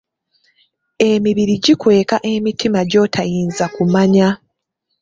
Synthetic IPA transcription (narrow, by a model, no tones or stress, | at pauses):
e̞miβiɾiɟikwe̞ːkaʔemitʰimaɟo̞ːtʰajiːnzakumaɲa